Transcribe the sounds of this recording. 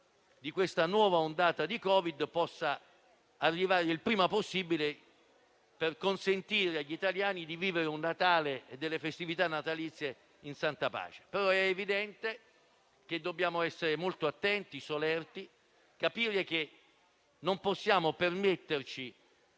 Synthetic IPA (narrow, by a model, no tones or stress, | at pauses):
d̪ikwest̪anwɔːvaond̪aːt̪ad̪ikɔːvid̪pɔsːaː | rːivaːɾeilpɾiːmaposːibile | perkonsent̪iːɾeaʎːit̪aljaːnid̪iviːveɾeunːat̪aːleed̪ːelːefest̪ivit̪anːat̪alit̪sːje | insant̪apa̰ːt͡ʃe̥peɾɔɛːvid̪ɛnt̪e | k̟ed̪ːobːjaːmoɛsːeɾemolt̪oat̪ːɛnt̪isolɛrt̪i | kapiːɾek̟e | nːomposːjaːmopermet̪ːert͡ʃi